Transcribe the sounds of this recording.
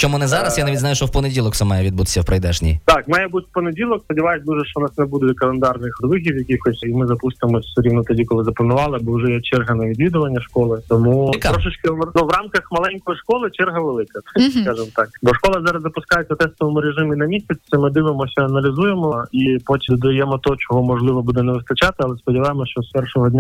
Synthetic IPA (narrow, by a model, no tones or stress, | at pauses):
t͡ʃɔmunɛzɑɾɐsjanɐʋʲidʲzɑjuʃt͡ʃɔwpɔnedʲilˠɔksɐmɑjɛʋʲid̪̚but̪ɪ̥sʲɐwpɾɐjd̪ɛʒnʲḭjt̪ɑkmɑjɛbut̪ʲpɔnedʲilˠɔkspɔdʲiʋajsʲd̪uʒɛʃt͡ʃɔnɑsnɛbud̪ʊkɐlˠend̪ɑrnɪxd̪ʋɪxʲiwjɐkʲixɔsʲimɪzɐpust̪ɪmɔsʲsʊɾʲiwnɔt̪ɐdʲikɔlˠɪzɐplˠɐnʊʋɑlˠɪbɔwʊʒɛjɛt͡ʃɛrɦɐnɐʋʲid̪ʋʲid̪ʊʋɐnʲːɐʃkɔlˠɪt̪ɔmuɾɔʃɪt͡ʃkɐnuʋrɑmkɐxmɐlˠɛnʲkɔjiʃkɔlˠɪt͡ʃɛrɦɐʋelˠɪkɐt̪jskɑʒɪmt̪ɑkbɔʃkɔlˠɐzɑɾɐzzɐpʊskɑjet͡sʲːɐt̪ɛst̪ɔʋɐmʊɾeʒɪminɐmʲisʲɐt͡sʲsɛmɪd̪ɪʋɪmɔsʲɐɐnɐlʲizujemɔipɔtʲd̪ɔd̪ɐjɛmɔt̪ɔt͡ʃɔɦɔmɔʐlˠɪʋɔbud̪ɛnɛʋɪst̪ɐt͡ʃat̪ɪɐlˠɛspɔdʲɪʋajɪmɔʃt͡ʃɔspɛrʃɔɦɔdʲnʲa